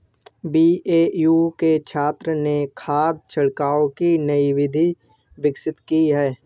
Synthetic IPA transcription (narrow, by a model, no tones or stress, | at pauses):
biːeːjuːket͡ʃʰaːt̪ɾənekʰaːd̪̚t͡ʃʰɐɽkaːõkinɐiʋɪd̪ʱi | ʋɪksɪt̪kiɦɛː